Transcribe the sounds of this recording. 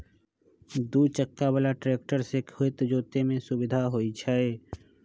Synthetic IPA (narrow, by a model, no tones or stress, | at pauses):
d̪uːt͡ʃəkːabəlaʈɾeːk̚ʈəɾsekʰhoɪt̪d͡ʒoːt̪emẽsʊbɪd̪ʱaɦoit͡ʃʰae